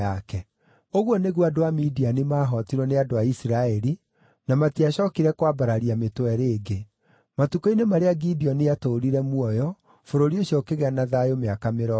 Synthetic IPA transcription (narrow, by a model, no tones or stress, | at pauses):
akɛ | oɣwɔneɣwadoamidianemaːɦɔtiɾɔneadoaisiɾaɛɾi | namatiaɕɔkiɾɛkwabaɾaɾiametwɛɾeːɡe | matukoinemaɾeaɡidiɔnejatoɾiɾɛmuɔjɔ | foɾoɾioɕiɔkeɣɛanaðajomeakameɾɔ